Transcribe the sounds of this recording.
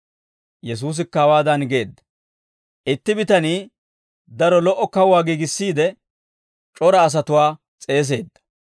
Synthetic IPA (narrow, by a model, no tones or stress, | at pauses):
jɛs̬uːs̬ɪkːɐwaːd̪ɐnɡe̞ːd̪ːɐ̥ | ʔɪt̪ːɪbɪt̪ɐniː | d̪ɐɾɔlɔʔɔkɐwaːɡiːɡɪsːiːd̪ɛ | t͡ʃʼɔɾɐːs̬ɐt̪ʊwaː | t͡sʼe̞ːs̬e̞ːd̪ːɐ̥